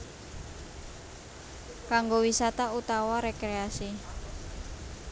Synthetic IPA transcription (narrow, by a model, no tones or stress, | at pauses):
kaŋɡowisat̪aut̪awaɾekɾeasi